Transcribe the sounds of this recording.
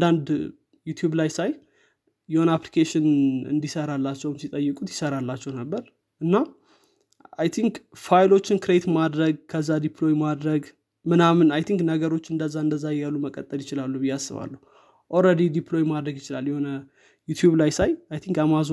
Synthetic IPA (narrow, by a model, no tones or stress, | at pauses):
nd̪and̪ | jut̪ʰjuβlajsaj | jɛho̞nəaplikʰeʃɪnɨ̰nd̪isəɾalːat͡ʃːɛwmsit̪ʼəjːɨkʼut̪jɪsəɾalːat͡ʃːɛwnəbːəɾ | ʔɨnːa | a̰jt̪ʰiŋkfajlo̞t͡ʃːɪnkʰɨɾet̪mad̪ɾəɡ̚kʰəzːad̪ipʰlo̞jmad̪ɾəɡ | mɨnamɨnajt̪ʰiŋknəɡəɾo̞t͡ʃːɨnd̪əzːaɨnd̪əzːajjalːuməkʼːə̰t̪ʼːəljɪt͡ʃɪlalːubɨjːasːɨ̰βa̰lːuhu | ʔoɾəd̪id̪iplo̞jmad̪ɾəɡjɪt͡ʃɪla̰ljɛho̞nə | jut̪ʰjuβlajsajajt̪ʰiŋkamazo